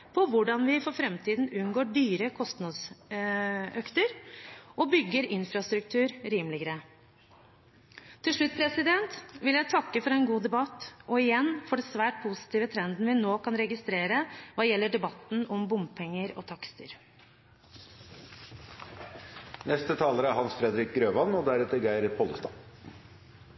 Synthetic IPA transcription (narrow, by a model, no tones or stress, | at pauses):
pʰɔʋʊɖɑnʋɪfɔɾfɾɛmt̪ʰiːd̪n̩ʉnɡoːɖyːɾəkʰɔst̪nɑd̪s | œkt̪əɾʔɔbʏɡːəɾɪnfɾɑst̪ɾʉk̚t̪ʰʉːɾɾiːmlɪɡəɾə | t̪ʰːɪlʂɭʉt̪̚ːpʰɾɛsɪd̪ɛnt̪ʋɪljæɪt̪ʰɑkːəfɔɾɛnɡuːd̪ɛbɑt̪ːɔɪjɛnːfɔɖɛsʋæːʈ̚pʰʊsɪ̥t̪iːʋət̪ʰɾɛnd̪n̩ʋɪnoːkɑnɾɛɡɪst̪ɾeːɾəʋɑːjɛlːəɖɛbɑt̪n̩ɔmbʊmpʰɛŋːəɾɔ̰ːt̪ʰɑkst̪əɾ | nɛst̪ət̪ʰɑːləɾəæɾhɑnsfɾɛd̪ɾɪk̚ɡɾøːʋɑnɔd̪æɾɛt̪əɾɡæɪɾəpʰɔləst̪ɑ̰ː